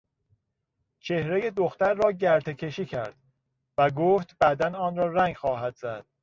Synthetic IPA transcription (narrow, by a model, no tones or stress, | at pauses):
t͡ʃʰehɾejed̪oxt̪æɾːɒːɟæɾt̪ʰecʰe̞ʃiːcʰæɾd̪̥ | væɡoːft̪bæd̪ænɒːnɾɒːɾæŋɡxɒːhæd̪̥zæd̪̥